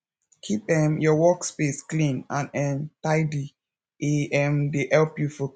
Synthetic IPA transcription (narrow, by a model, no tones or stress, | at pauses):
kʰipɛ̃mjɔwɔkspesklĩnãnɛmtaɪdi | ʔeɛmdehɛlpjufɔ